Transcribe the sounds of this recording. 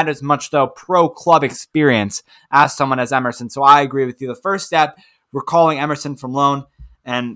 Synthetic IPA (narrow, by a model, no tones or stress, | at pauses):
ɾɨzmʌt͡ʃðoʊpʰɹ̥oʊkʰl̥ʌbɨkspɪɹiɨ̃ns | ʔəz̥sʌ̃mwʌ̃nɨzɛmə˞sɨ̃n̩soʊaɪɨɡɹiwɨðjɨðəfɜ˞stɛp̚ | wɨɹkʰɔlˠɪ̃ŋɛmə˞sɨ̃nfɹʌ̃mlõʊ̃nɨ̃n